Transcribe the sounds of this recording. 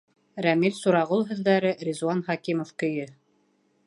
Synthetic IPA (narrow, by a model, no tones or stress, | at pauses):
ɾæmilsuɾɑʁulˠɦɵ̆ðːæɾɘɾʲizwɑnχɑkimofkɵ̆jɵ